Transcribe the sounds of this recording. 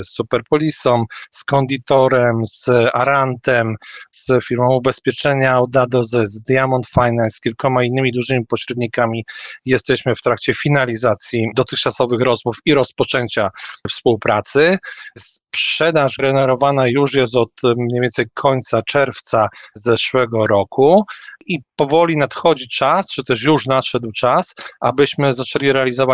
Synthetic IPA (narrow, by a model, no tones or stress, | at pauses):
sːupɛɾpɔlʲisɔmskɔnd̪ʲit̪ɔɾɛmzaɾant̪ɛmz̥fʲiɾmɔ̃w̃ubɛspʲjɛt͡ʂɛɲawd̪ad̪ɔzɛzd̪jamɔnt̪fajnansːkʲilkɔmainːɘmʲid̪uʐɘmʲipɔɕɾɛd̪ɲikamʲijɛst̪ɛɕmɘft̪ɾakt͡ɕɛfʲinalʲizat̪sʲjid̪ɔt̪ɘxt͡ʂasɔvɘxɾɔzmufiɾɔspɔt͡ʂɛɲt͡ɕafspuwpɾat̪sɘspʂɛd̪aʐɡɛnɛɾɔvanajuʂjɛs̬t̪ɔt̪mɲejvʲɛnsɛjkʰɔɲʲt̪sat͡ʂɛɾft̪sazɛʂwɛɡɔɾɔkʰuʔipɔvɔlʲinat̪xɔd͡ʑit͡ʂast͡ʂɨt̪ɛʂjuʂnat̪ʂɛd̪wt͡ʂasa̰bɘɕmɘzat͡ʂɛlʲiɾɛalʲizɔva